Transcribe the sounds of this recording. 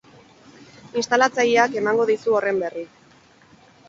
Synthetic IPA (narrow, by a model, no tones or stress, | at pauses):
inst̪alat͡saʎiake̞maŋɡo̞ð̞isuo̞re̞mbe̞ri